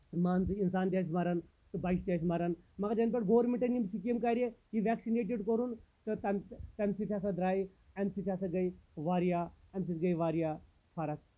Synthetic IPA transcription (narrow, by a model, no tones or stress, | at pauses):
maːnsɨinsaːnt̪ʲjaːs̬imaɾɐn | t̪ɨbaːiʃt̪jaːsimaɾanmɐkɐd͡ʒɐnpɐɽɡoːɾmiʈɐnimsik̬ɐmkaːɾejiʋɛːksineːʈ̬iɖkoɾunt̪ɨt̪ɐmt̪ɐmsit̪ʰʲjaːs̬ɐd̪ɾaːi | ɐmsit̪ʰjaːsɐɡɐiʋaːɾijaːɐmʲs̬it̪ɡɐiʋaːɾijaː | pʰaɾɐk̚